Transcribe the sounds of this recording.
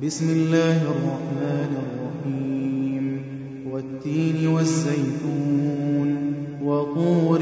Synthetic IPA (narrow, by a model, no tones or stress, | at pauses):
bɪsmɪlːaːhɪʔɑrˤːɑħmaːnrˤːɑħiːm | wat̪ːiːnwazːajt̪uːn | waquːɾ